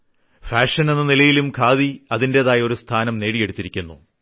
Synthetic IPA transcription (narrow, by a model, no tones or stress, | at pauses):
faːʂɐne̞nːɐnilɐjilumkʰaːðiɐðindeðaːjo̞ɾust̪ʰaːnɐmneːɽije̞ɽut̪ːiɾikʲːunːṵ